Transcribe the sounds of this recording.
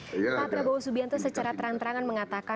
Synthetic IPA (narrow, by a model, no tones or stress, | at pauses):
at̪ɾabawasubiant̪usət͡ʃaɾat̪əɾant̪əɾaŋanməŋat̪aka